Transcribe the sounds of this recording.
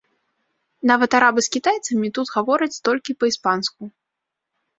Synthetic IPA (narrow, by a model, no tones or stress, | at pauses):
navɐt̪aɾabɨskʲit̪ajt̪sɐmʲit̪ut̪ɣavɔɾɐt͡sʲt̪ɔlʲkʲipɐispansku